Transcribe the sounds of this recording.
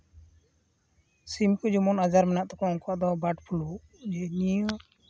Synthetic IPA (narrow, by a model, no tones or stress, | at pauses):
simkud͡ʒɔmɔnad͡ʒaɾmɛnaʔt̪ɔkɔɔŋkaʔd̪ɔbaʈpʰulu | d͡ʒɛni